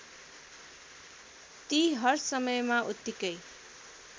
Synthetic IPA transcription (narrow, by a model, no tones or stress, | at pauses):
t̪iɦʌrsʌmʌjmaʔut̪ːikʌj